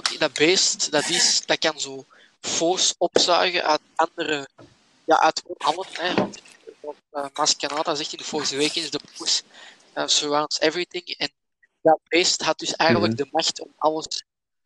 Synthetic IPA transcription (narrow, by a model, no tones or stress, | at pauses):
dɑbeːstd̥ɑtɪsd̥ɑkɑnzoː | foːɹsɔpsœ̰rɣə̰ʔœːtɑndəɾə | ja̰ːʔœtoɦɑləɛtotəmaskanaːtazɛxtɪndəfoːɹəweːkɪnzdəpuːɹs | əːsəɹawntsɛvɹit̪ɪŋɛn | dɑbeːstɦɑt̚d̥ʏsɛjɣəntləɡ̚dəmaxtɔmɑləs